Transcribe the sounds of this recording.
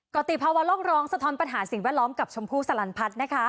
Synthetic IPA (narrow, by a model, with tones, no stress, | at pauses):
kɔ˨˩t̪iː˨˩pʰaː˧wa˦˥loː˥˩k̚ɾɔː˦˥ŋsa˧t̪ʰɔː˧˥npa˧nɦaː˩˦si˨˩ŋwɛː˥˩t̪̚lɔː˦˥mka˨˩p̚t͡ɕʰo˧mpʰuː˥˩sa˧la˧npʰa˦˥t̪̚na˦˥kʰa˦˥